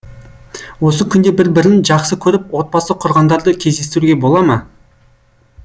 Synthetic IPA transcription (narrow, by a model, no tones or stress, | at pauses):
wo̞səkʲʰʏnd̪e̞bɪɾbɪɾɪnʒɑqsəkʲʰɵɾɪp̚wo̞t̪̚bɑsəqʰʊɾʁɑnd̪ɑɾd̪əkʲʰe̞zd̪et̪ɪɾuɡʲe̞bo̞lˠɑmɑ